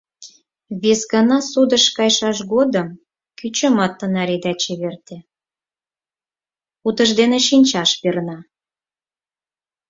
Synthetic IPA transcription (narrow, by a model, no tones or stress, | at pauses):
βesɡɑnɑsud̪əʃkɑjʃɑʃɣod̪əm | kyt͡ɕəmɑt̪ːənɑɾed̪ɑt͡ɕeβert̪e | ut̪ə̆ʒd̪eneʃinʲt͡ɕɑʃpernɑ